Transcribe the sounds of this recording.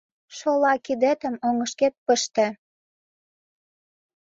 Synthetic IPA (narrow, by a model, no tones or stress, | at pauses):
ʃolɑkid̪et̪ə̆moŋəʃket̪̚pə̆ʃt̪ĕ